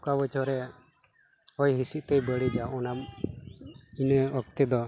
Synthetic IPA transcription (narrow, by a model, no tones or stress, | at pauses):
kabət͡ʃɔɾɛ | ɔjɦisiʔt̪ɛjbəɽid͡ʒaɔnam | inəɔk̚t̪ɛd̪ɔ